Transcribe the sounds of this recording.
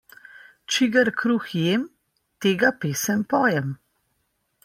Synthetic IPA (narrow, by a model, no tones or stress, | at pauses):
t͡ʃiɡaɾkɾuːxjeːm | t̪eːɡapeːsɛmpɔːjɛm